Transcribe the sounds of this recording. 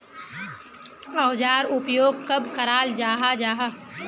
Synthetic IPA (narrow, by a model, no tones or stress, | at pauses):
ɐwd͡ʒaːɾʊpjoːɡ̚kɐbkɐɾaːld͡ʒaːɦad͡ʒaːɦa